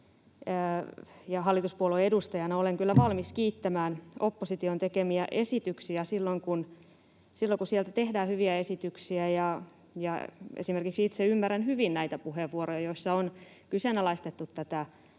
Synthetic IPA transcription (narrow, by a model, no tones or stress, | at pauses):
jɑɦɑlːit̪uspuoloedust̪ɑjɑnɑoleŋkylːæʋɑlmiskiːt̪ːæmæːnopːosit̪iont̪ekemiæʔe̞sit̪yksiæsilːoŋkun | silːoŋkusielt̪æt̪ehdæːhyʋiæesit̪yksiæjɑ | jɑḛsimerkiksit̪seymːæɾænhyʋinnæit̪æpuɦeʋːuoɾojɑjoisːɑon | kysenɑlɑist̪et̪ːut̪ːæt̪æ